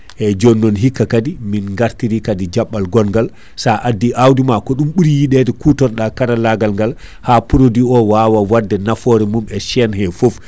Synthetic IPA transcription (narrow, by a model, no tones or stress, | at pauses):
ʔɛd͡ʒɔnːɔnɦikːakadiminŋɡaɾtiɾikadid͡ʒaɓːalɡɔnɡal | saʔadːiʔawdimakɔɗumɓuɾijiɗɛdɛkutɔɾɗakaɾalaɡalŋɡal | haːpuɾodiɔwaːwawadːɛnafɔɾɛmumɛʃɛnhɛfof